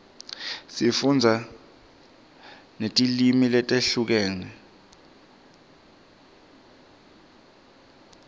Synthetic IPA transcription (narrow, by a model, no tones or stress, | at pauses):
sifund͡zʱa | netʼilimilɛtʼeɬuk̬ɛːnɛ